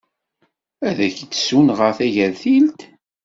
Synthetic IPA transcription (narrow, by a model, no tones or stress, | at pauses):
æðæçt̪ːsunʁəɾθæʝæðθilt̪